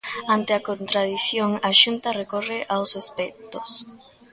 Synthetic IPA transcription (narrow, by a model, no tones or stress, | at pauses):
ãnt̪eakont̪ɾaðiθjoŋaʃunt̪arekoreʔawsespɛk̚t̪os